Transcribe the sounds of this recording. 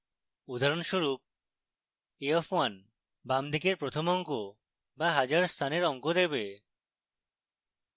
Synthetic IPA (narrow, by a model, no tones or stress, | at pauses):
ud̪ʱaɾonʃuɾuk̚ | eɔfwan | bamd̪ʱikeɾpɾot̪ʰomɔŋko | baɦad͡ʑaɾst̪ʰaneɾɔŋkod̪eβe